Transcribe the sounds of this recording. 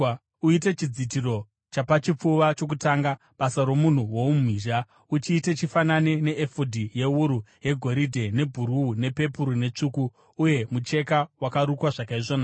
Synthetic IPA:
uite̞t͡ʃid͡zitiro̞ | t͡ʃapat͡ʃip͡fuʋat͡ʃo̞k̬utaːŋɡa | ɓasaɾo̞mun̤uwo̞umiːʒa | ut͡ʃiːte̞t͡ʃifananene̞ʔːfodʱije̞wuɾuje̞ɡʱo̞ɾidʱe̞ne̞bʱuɾuːne̞pe̞puɾune̞t͡ʂukuː | je̞mut͡ʃe̞kawakaɾukwaʐakaiʐoːna

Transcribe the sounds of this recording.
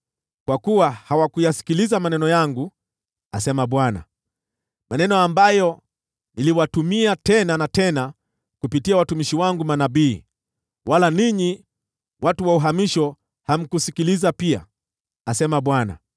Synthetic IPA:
kwakuwahawakujasi̥kilizamanɛnɔjaŋɡu | asɛmaɓwana̰ | manɛnɔambajɔ | niliwatumiatɛnanatɛna | kupitiawatumiʃiwaŋɡumanabiː | walaniɲi | wʔatuwauɦamiʃɔ | ham̩kusikilizapia̰ | asɛmaɓwana̰

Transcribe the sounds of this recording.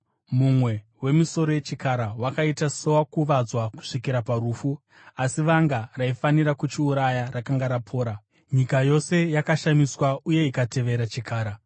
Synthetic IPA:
mumwe̞ | we̞miso̞ɾo̞je̞t͡ʃikaɾawakaitaso̞wakuʋad͡zwaku̥ʂikiɾapaɾuːfu | asiʋaŋɡaraifaniɾakut͡ʃiuɾajarakaŋɡaɾapʰo̞ːɾa | ɲikajo̞se̞jakaʃamiswauje̞ikate̞ʋe̞ɾat͡ʃikʰaːɾa

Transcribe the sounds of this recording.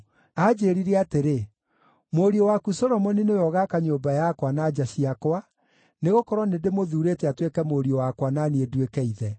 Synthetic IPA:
aːd͡ʑeːɾiɾɛateɾe | moɾiɔwakusɔɾɔmɔninejɔɣakaɲoːbajakwanad͡ʒaɕiakwa | neɣokɔɾɔnedemoðuːɾetɛatwekɛmoɾiɔwakwananiedwekɛiðɛ

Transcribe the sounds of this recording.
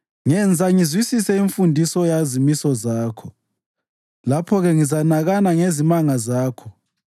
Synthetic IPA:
ŋɛnd͡zʱaŋizwisisɛiɱfundʱisɔjazimisɔzaːkʰɔ | lapʰɔɣɛŋizanaɣanaŋezimaŋazaːkʰɔ

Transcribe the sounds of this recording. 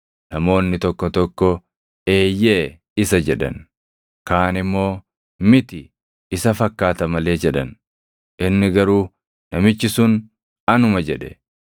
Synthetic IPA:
nɐmo̞ːnːɪt̪ɔkːɔt̪ɔkːɔ | e̞ːjːeː | ɪsɐd͡ʒɛᶑɐ̰n | kaːnɪmːo̞ː | mɪt̪ɪː | sɐfɐkːaːt̪ɐmɐle̞ːd͡ʒɛᶑɐn | ʔɪnːɪɡɐɾuː | nɐmɪt͡ʃːɪsʊn | ɐnʊmɐd͡ʒɛᶑɛ̰

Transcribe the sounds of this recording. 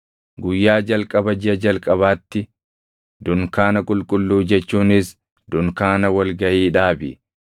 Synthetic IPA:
ɡʊjːaːd͡ʒɐlkʼɐbɐd͡ʒɪɐd͡ʒɐlkʼɐβaːt̪ːɪ | d̪ʊŋkaːnɐkʼʊlkʼʊlːuːd͡ʒɛt͡ʃːuːnɪs | d̪̥ʊŋkaːnɐwɐlɡɐʔiːᶑaːbɪ̰

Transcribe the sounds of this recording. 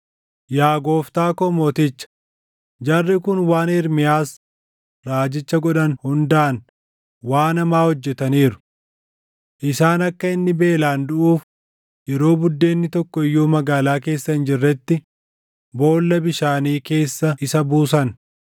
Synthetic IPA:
jaːɡo̞ːft̪aːkɔmɔːt̪ɪt͡ʃːɐ̥ | d͡ʒɐrːɪkʊnwaːnɛɾmɪjaːs | ɾaːd͡ʒɪt͡ʃːɐɡɔᶑɐnhʊnd̪ɐʔɐn | waːnɐmaːhɔd͡ʒːɛt̪ɐniːɾʊ̥ | ʔɪsaːnɐkːɐɪnːɪbe̞ːlaːnd̪ʊʔuːf | jɛɾo̞ːbʊd̪ːe̞ːnːɪt̪ɔkːɔɪjːuːmɐɡaːlaːk̬e̞ːsːɐhɪnd͡ʒɪrːɛt̪ːɪ | bo̞ːlːɐbɪʃaːniːke̞ːsːɐʔɪsɐbuːs̬ɐn

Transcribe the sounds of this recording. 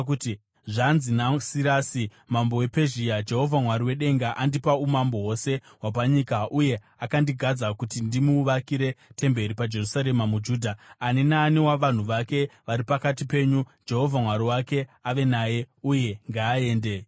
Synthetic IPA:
kuti | ʐanzinasiɾaːsi | mambo̞we̞pe̞ʒijad͡ʒe̞ɦo̞vʱamwaɾiwe̞ɗe̞ŋɡaʔandipaumambo̞wo̞se̞ | wapaɲikaʔuje̞ | akandiɡʱad͡zakutindimuːʋakiɾe̞te̞mbe̞ɾipad͡ʒe̞rusaɾe̞mamud͡ʒuːdʱaːnenaːnewaʋan̤uʋake̞ʋaɾipakatipe̞ːɲud͡ʒe̞ɦo̞vʱamwaɾiwake̞aʋe̞naːje̞uje̞ŋɡaːe̞ːnde̞

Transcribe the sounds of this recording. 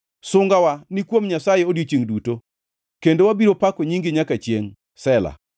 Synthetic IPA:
sʊŋɡawanikwomɲasajeodjot͡ʃiŋduto | kendowabiɾopakoɲiŋɡɪɲakat͡ʃjeŋ | sɛla̰

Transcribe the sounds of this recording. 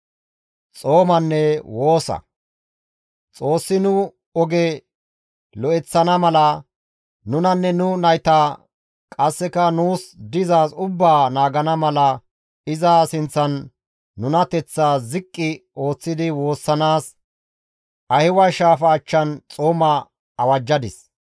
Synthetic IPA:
t͡sʼo̞ːmɐnːɛwo̞ːsɐ̰ | t͡sʼo̞ːsːɪnʊ | ɔɡɛ | lɔɛt͡sːɐnɐmɐlɐ | nʊnɐnːɛnʊnɐjt̪aː | kʼɐsːɛkɐnuːsd̪ɪzaːsʊbːaːnaːɡɐnɐmɐlɐ | ɪzɐsɪnt͡sːɐnː | ʊnɐt̪ɛt͡sːaːzɪkʼːɪo̞ːt͡sːɪd̪ɪwo̞ːsːɐnaːs | ɐhɪwɐʃaːfɐːt͡ʃːɐnt͡sʼoːmɐː | wɐd͡ʒːɐd̪ɪs

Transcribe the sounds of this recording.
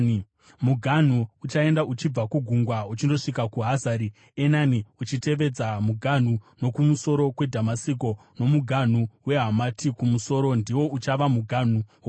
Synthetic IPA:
muɡʱan̤uːt͡ʃae̞ndaʔut͡ʃib͡vakuɡʱuŋɡwaut͡ʃindo̞ʂikakuɦazaɾi | enaniut͡ʃite̞ʋe̞d͡zamuɡʱan̤uno̞kumuso̞ɾo̞kwe̞dʱamasik̬o̞no̞muɡʱan̤uwe̞ɦamatʰikumuso̞ːɾo̞ndiwo̞ut͡ʃaʋamuɡʱan̤u

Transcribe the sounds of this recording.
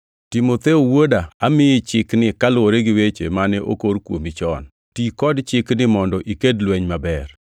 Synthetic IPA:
tɪmot̪eowodaamɪjɪt͡ʃɪknɪkalwoɾeɡɪwet͡ʃḛmanɛʔo̰koɾkwo̰mit͡ʃɔn | tikɔdt͡ʃɪknɪmɔndɔʔikedlwɛɲmabɛr

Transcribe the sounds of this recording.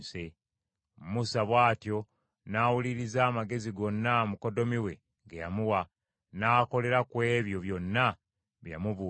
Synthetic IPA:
se | mmusaβwaːtjo̞ | naːwuliɾizaːmaɡe̞ziɡo̞nːamuko̞do̞miwe̞ | ŋɡejamuwa | naːko̞le̞ɾakwe̞ːβjo̞βjo̞nːa | βja̰muβu

